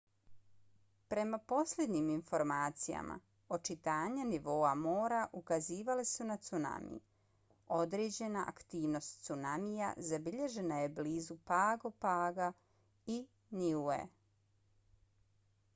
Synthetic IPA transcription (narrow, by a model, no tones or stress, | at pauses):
pɾe̞mapo̞sʎʲed̪ɲiminfo̞ɾmaːt̪sija̰ma̰ | o̞t͡ʃit̪aːɲaniʋo̞ːamo̞ːɾaʔukaziːʋalesunat̪suna̰mḭj | o̞d̪ɾeːd͡ʑe̞naʔa̰kt̪iːʋno̞st̪t̪sunamija̰zabiʎe̞ʒe̞naje̞bliːzupaːɡopaːɡa | i | niuḛ